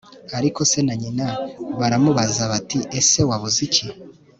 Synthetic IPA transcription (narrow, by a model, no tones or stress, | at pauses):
aɾiko̞se̞naɲinaβaɾamuβazaβatiʔese̞waβuzici